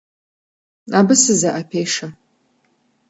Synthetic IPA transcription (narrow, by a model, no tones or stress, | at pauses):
abɨsɨzaʔapʰejʂa